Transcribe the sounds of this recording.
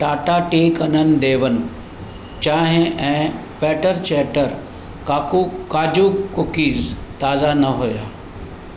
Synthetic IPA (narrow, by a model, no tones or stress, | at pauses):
ʈaːʈaʈeːkɐnənɪ̆d̪eːʋənɪ̆ | t͡ɕaːɦɪ̃ʔɛ̃ː | pɛːʈəɾt͡ɕɛːʈəɾ | kaːkukaːd͡ʑuːɡkːokiːzt̪aːzanɐɦujaː